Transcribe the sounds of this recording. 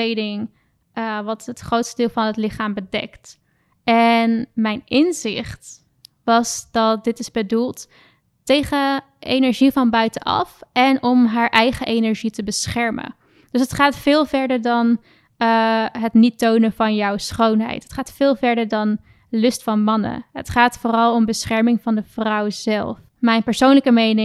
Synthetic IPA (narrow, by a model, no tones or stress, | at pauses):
ejdɪŋ | əʋɑtɦətχrowtstədɪːlˠvɑnɦətlɪχaːmbədɛ̰kt | ɛnmɛjnɪnzɪ̰χt | ʋɑsdɑt̚dɪtɪzbədulˠt | tejχə | ʔejnəɹʒivɑnbœɥtənʔɑ̰fʔɛnɔmɦaːɹʔɛjχəʔejnəɹʒitəbəsχɛɹmə̰ | d̥ɵs̬ətχaːtfɪːlˠvɛɹdəɹdɑn | ɦətnitownəvɑnjɔwsχownɦɛ̰jtɦətχaːtfɪːlˠvɛɹdəɹdɑn | lɵstfɑnmɑnə̰ɦə̰tχaːtfoːrɑlˠɔmbəsχɛɹmɪŋvɑndəv̥rʌwz̥ɛlˠf | mɛjnpɛɹsownləkəmejnɪ